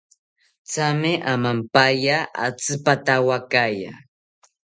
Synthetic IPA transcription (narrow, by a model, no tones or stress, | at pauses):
t͡samɪʔamampajaʔa̰t͡sɨpat̪awakaja̰